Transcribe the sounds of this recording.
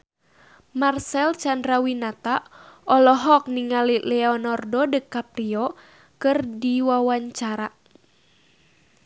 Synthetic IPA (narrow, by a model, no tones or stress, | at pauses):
marsɛlt͡ʃandɾawinat̪aɔlɔɦɔk̚niŋalilɛɔnɔrdɔdəkapɾiɔ | kɨrdiwawaɲt͡ʃaɾa